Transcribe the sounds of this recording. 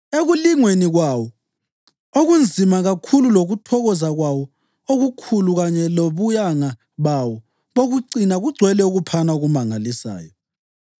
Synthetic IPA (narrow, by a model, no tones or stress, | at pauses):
eɣuliŋweniɣwawɔ | oɣund͡zʱimaɣakʰululoɣutʰɔɣɔzaɣwawɔ | oɣukʰuluɣaɲɛloβujaŋa | βawɔ | βoɣuǀinaɣuɡ͡ǀʱwɛlɛuɣupʰanauɣumaŋalisa̰ːjɔ